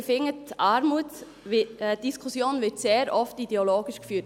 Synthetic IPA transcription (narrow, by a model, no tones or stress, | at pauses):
fɪŋːətʔɑɾmutː | d̥iskʰusjoːnvɪɾtseːɾʔɔftideoloːɡ̥iʃkfyːt